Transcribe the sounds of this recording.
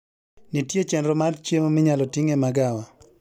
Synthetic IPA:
nitjet͡ʃɛnɾɔmart͡ʃemomɪɲalɔtiŋɛmaɡawa

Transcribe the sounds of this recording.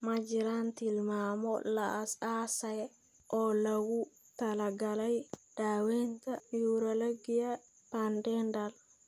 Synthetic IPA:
mad͡ʒiɾant̪ilmamɔ̰la̰ːsaːsajɛ | ʔɔlawu | t̪alaɡalajd̥awɛnt̪anjuɾolaɡija | pandɛndal

